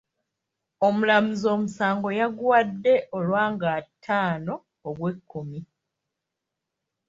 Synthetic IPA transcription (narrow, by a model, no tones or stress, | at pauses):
omulamuzo̞ːmusaːŋɡo̞jaɡwadːe̞ʔo̞lwaːŋɡatʰːaːno̞ː | ɡwe̞kʰːumi